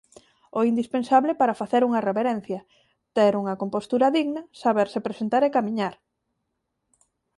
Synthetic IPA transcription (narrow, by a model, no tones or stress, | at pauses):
oind̪ispẽnsaβlepaɾɐfaθeɾuŋɐreβeɾen̟θjɐ | t̪eɾuŋɐkompost̪uɾɐðiɣnɐsaβeɾsepɾesent̪aɾekamĩɲaɾ